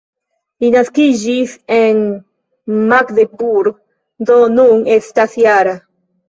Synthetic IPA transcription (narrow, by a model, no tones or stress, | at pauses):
inaskiʒiθeŋ | makðepuɾ | d̪onuŋest̪aθjaɾa